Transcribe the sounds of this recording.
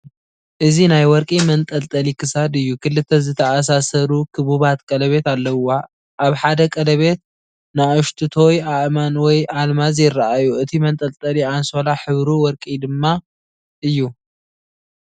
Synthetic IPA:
ʔɨzinajwɔɾkʼimɐnt̪ʼɐlt̪ʼɐlikʰɨsad̪ɨjːukʰɨlːɨt̪ʰːɐzɨt̪ʰɐʔas̬asɐɾukʰɨβuβat̪kʼɐlɐβe̞t̪alːɐwa | ʔaβħad̪ɐkʼɐlɐβe̞t̪̚ | naɨʃt̪ʰɨt̪ʰo̞jaʔmanwɔjalmazjɪrːaʔajuʔɨt̪ʰimɐnt̪ʼɐlt̪ʼɐlianso̞laħɨβɾuwɔɾkʼid̪ɨmːa | ʔɨjːu

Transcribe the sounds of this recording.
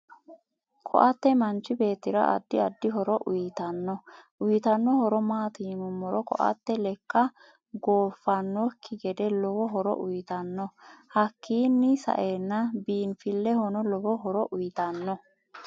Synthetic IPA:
kʰɔ̰ʔɐt̪ːɛmɐnt͡ʃːɪbe̞ːt̪ːɪɾɐ̰ʔɐ̰d̪ːɪɐd̪ːɪɦɔɾɔʔʊjɪt̪ɐnːɔʔʊjɪt̪ɐnːɔhɔɾɔmaːt̪iːmʊmːɔɾɔkɔ̰ʔɐ̰t̪ːɛlɛkːɐ | ɡoːfːɐnːɔkʰːɪɡɛd̪ɛlɔwɔɦɔɾɔ̰ʔʊjɪt̪ɐnːɔhɐkʰːiːnːɪsɐ̰ʔeːnːɐbiːnfɪlːɛhɔnɔlɔbɔɦɔɾɔʔʊjɪt̪ɐnːɔ

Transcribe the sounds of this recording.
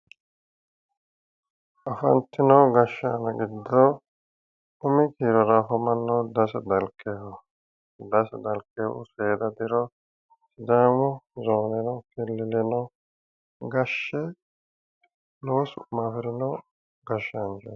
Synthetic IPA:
ʔɐfɐ̰nt̪ːɪnɔɡɐʃːanɐɡɪd̪ːɔ | ʊmɪkiːɾɔɾɐfɔmɐnːɐwd̪ɐsd̪ɐlkʼːɛhɔ | d̪ɐsd̪ɐlkʼːeʊ̰seːd̪ɐd̪ɪɾɔ | sɪd̪aːmʊzoːnɛnɔkɛlːɪlɛnɔ | ɡɐʃːɛ | loːsʊmaːfɪɾɪnɔ | ɡɐʃːand͡ʒɔ̰

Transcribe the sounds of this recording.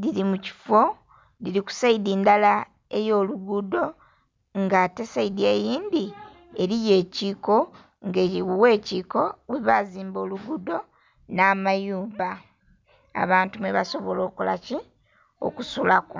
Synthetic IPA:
ðiɾimuci̥fo̞ | liɾiku̥saidindala | e̞jo̞ːluɡudo̞ | ŋɡate̞saidie̞jiːnd̪i | eɾije̞ːciːko̞ | ŋɡe̞ːiwuwe̞ːciko̞weβaziːmbo̞ːluɡudo̞ | naːmajuːβa | a̰βaːntumweβaso̞βolo̞ːkula̰ci | o̞̰kusulako

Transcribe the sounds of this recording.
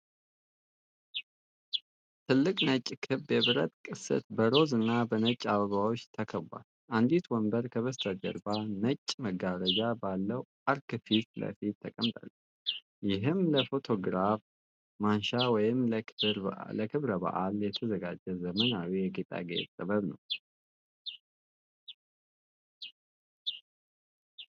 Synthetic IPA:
t̪ʰɨlːɨkʼnət͡ʃʼːkʰɨbjɛβɨɾə̰t̪ʼkʼɨsɨ̰t̪̚bəɾo̞zɨnːabənət͡ʃʼːaβəβawot͡ʃːt̪ʰəkʰəβa̰l | ʔand̪it̪wɔmbəɾkʰəβəst̪ʰəd͡ʒə̰ɾbanət͡ʃʼːməɡaɾəd͡ʒabalːəwʔaɾkɨfit̪lə̰fit̪ʰːəkʼəmt̪ʼa̰lː | jɪɦɨmləfo̞t̪ʰo̞ɡɾaf | manʃawɔjɪmɾləkʰɨβɾəbə̰ʔaljɛt̪ʰəzəɡa̰d͡ʒəzəmənawijɛɡet̪ʼa̰ɡḛt̪ʼːəβəβnə̰w

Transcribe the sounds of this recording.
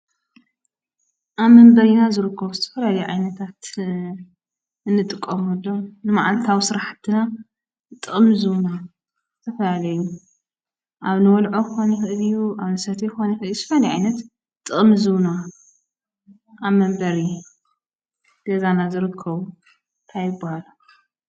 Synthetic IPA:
ʔaβmːɐmbɐɾinazɨɾɨkʰːɐβuzɨt̪ʰɐ̥fɐlalɐjuʕajnɐt̪ʰat̪ | ɨnːɨt̪ʼɨkʼːɐmhod̪omnɨmaʕalt̪ʰawisɨɾaħt̪ʰɨna | t̪ʼɨʔʼmzuna | t̪ʰɐfɐlalɐju | ʔaβnɨwɔlʕojxonixɨʔɨlijːuʔaβnɨsɐt̪ʰijxonɐxɨʔɨljuz̥t̪ɐfɐlalɐjʕa̰jnɐt̪ | t̪ʼːɨχʼmzuna | aβmːɐmbɐɾi | d̪̥ɐzanazɨɾɨkʰːɐβu | nt̪ʰajɪbːahalu

